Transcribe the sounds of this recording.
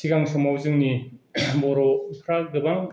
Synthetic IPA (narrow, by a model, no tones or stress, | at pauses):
siɡaŋsɔmawzɯŋnibɔɾopʰɾaɡɯbaŋ